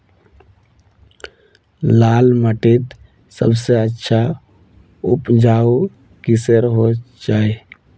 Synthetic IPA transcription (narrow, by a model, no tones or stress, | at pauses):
laːlməʈit̪ | sə̰bseətːʃʰa | ʊpd͡ʒaːu | kisəɾɦo | d͡ʒaːe